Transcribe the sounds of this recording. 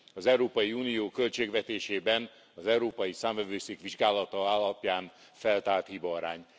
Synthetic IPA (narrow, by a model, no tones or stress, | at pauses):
ɒzɛwɾoːpɒjiuːnijoːkø̞lt͡ʃeːɡvɛt̪eːʃeːbɛn | ɒzɛwɾoːpɒjisaːɱvɛvøːseːkʋiʒɡaːlɒt̪ɒaːlːɒpjaːn | fɛlt̪aːlt̪hibɒːɾa̰ːɲ